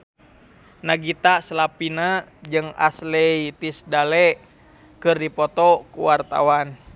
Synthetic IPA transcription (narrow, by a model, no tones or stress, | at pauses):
naɡit̪aslapinad͡ʒɨŋa̰slɛit̪isdalɛʔ | kɨrdipɔt̪ɔkuwart̪a̰wan